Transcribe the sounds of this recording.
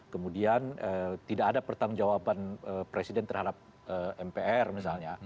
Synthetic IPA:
kəmudianʔət̪idaːdapərt̪aŋd͡ʒawabanəpɾesidɛnt̪ərhadap̚ | ʔəɛmpeʔɛrmisalɲa

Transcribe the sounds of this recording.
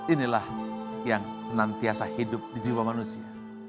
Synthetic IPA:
inilahjaŋsənant̪iasahidʊp̚did͡ʒiwamanusia

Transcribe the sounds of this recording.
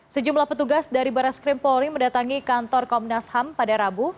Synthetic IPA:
səd͡ʒumlahpət̪uɡasdaɾibaɾaskɾɪmpɔɾiməndat̪aŋikant̪ɔrkɔmnashampadaɾabu

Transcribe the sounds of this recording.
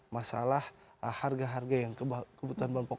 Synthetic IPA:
masa̰lahharɡaɦarɡajaŋkəbkəbut̪uɦanbampɔ

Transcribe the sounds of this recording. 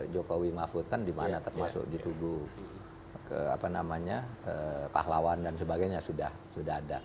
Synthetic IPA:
d͡ʒokowimafut̪̚kandimanat̪ərmasʊ̰k̚dit̪uɡu | kəa̰panamaɲaəpa̰hlawandansəbaɡajɲasudah | sudaɦada

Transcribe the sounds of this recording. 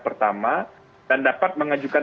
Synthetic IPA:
pərt̪ama | dandapat̪̚məŋad͡ʒukan

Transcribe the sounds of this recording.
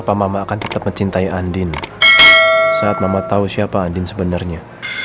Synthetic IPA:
pamamaːkant̪ə̥t̪ap̚məɲt͡ʃint̪aiʔandɪn | saat̪̚mamat̪ausiapaːndɪnsəbənarɲa

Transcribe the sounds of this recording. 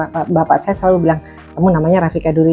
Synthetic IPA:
apabapaʔsajasəlalubilaŋ | kamunamaɲaɾafikaduɾi

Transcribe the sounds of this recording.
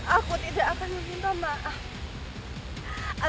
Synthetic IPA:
akut̪idaʔakanməmint̪ama | a

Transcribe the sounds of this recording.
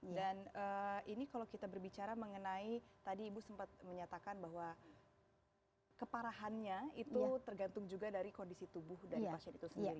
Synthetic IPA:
ddanəinikalawkit̪abərbit͡ʃaɾaməŋənait̪adiːbusəmpat̪̚məɲat̪akanbaɦwa | kəpaɾaɦanɲait̪ut̪ərɡant̪ʊŋd͡ʒuɡadaɾikondisit̪ubʊhdaipasiɛnit̪usəndiɾi

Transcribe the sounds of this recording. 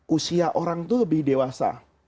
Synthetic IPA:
ʔusiaʔoɾaŋt̪uləbihdewasa̰

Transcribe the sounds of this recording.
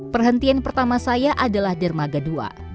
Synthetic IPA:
pərɦənt̪ianpərt̪amasajaʔadalahdərmaɡadua̰

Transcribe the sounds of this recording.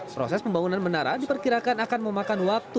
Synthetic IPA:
pɾo̰sɛspəmbaŋunanbənaɾa̰dipərkiɾakanakanməmakanwak̚t̪u

